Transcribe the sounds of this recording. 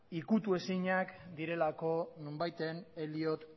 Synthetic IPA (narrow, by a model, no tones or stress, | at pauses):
ikut̪ue̞siɲakd̪iɾe̞lako̞numbajt̪e̞neliot̪